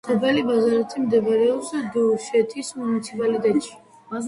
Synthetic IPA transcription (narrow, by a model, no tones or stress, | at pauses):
χʰɔbɛlibazaɾat̪ʰimd̪ɛbaɾɛɔsad̪uʃɛt̪ʰismunit̪sʰipʼalit̪ʼɛt̪ʃi̥